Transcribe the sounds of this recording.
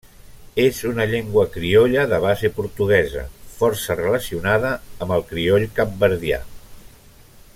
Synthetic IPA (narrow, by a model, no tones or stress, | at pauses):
ezunəʎeŋɡwəkɾioʎəðəβ̞azepuɾt̪uɣ̞ɛzə̰fɔɾsərələsiunaðəːmbəlˠkɾioʎkap̚bəɾðja̰